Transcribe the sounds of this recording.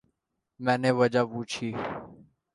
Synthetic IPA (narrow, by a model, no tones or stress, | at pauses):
mɛ̃ːnẽːʋəd͡ʒaːpuːt͡ʃʰiː